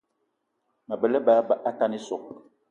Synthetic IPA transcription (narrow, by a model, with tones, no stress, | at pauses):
mə˨bə˨lə˦ba˨˦ba˨ʔa˦ka˦ni˦sɔ˨k̚